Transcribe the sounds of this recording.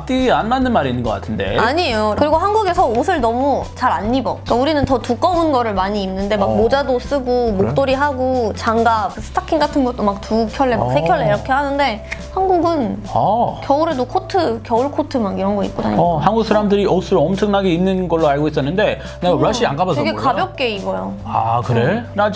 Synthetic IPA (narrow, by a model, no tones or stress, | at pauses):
t͈ianmanːɯnmaɾinːɯnŋɡʌk͈a̰tʰɯnde̞̰aɲiejokɯɾiɡoɦanɡuɡe̞sʰʌosʰɯɭnʌmut͡ɕaɾaɲːibʌk͈auɾinɯntʌtuk͈ʌunɡʌɾɯɭmaɲiːmnɯnde̞mak̚mod͡ʑados͈ɯɡomok̚t͈oɾiɦaɡot͡ɕaŋɡapɯsʰɯ̥tʰakʰiŋɡatʰɯnɡʌt͈̚omak̚tukʰjʌɭːe̞a̰ksʰekʰjʌɭːeiɾʌkʰe̞hanɯnde̞hanɡuɡɯnakjʌuɾedokʰotʰɯkjʌuɭkʰotʰɯmaɡiɾʌnɡʌḭt̚k̚p͈oda̰ɲhanɡuk̚s͈ʰaɾamdɯɾiʔosʰɯɾoʌmt͡ɕʰʌŋnaɡeinːɯnɡʌɭːoaɭɡois͈ʌnːɯnde̞ | neɡaɾaɕ͈iankabʌsteʌɡekabjʌk̚k͈e̞iɡʌjo | akɯɾenad͡ʑ